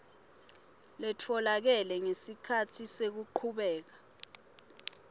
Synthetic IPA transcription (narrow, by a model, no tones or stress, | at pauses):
lɛtʰɔlak̬ɛlɛŋesikʰatʰisek̬uǃʰuɓɛːk̬a